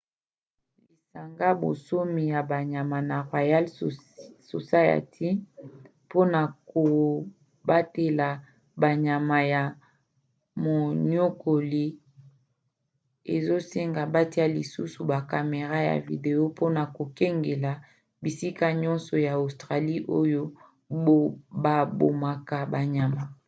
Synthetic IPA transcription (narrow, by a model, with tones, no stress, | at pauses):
li˨sa˨ŋɡa˦bo̰˨so˦mi˨ja˨ba˨ɲa˨ma˨na˨ʁwa˨ja˦l | so̰˨sa˦ja̰˨tʰi˦ | po˦na˨ko˨ | ba˦te˨la˨ | ba˨ɲa˨ma˨ja˨ | mo˨ɲo˦ko˨li˦ | e˨zo˦se˦ŋɡa˨ba˦ti˦a˦li˨su˦su˨ba˨ka˨me˨ʁa˦ja̰˨vḭ˨de˨o˦po˦na˨ko˨ke˦ŋɡe˨la˨ | bi˨si˦ka˦ɲɔ˦nsɔ˨ja˨o˨stʁa˨li˦ʔo˦jo˦ | o˦ba˨bo̰˨ma˨ka˨ba˨ɲa˨ma˨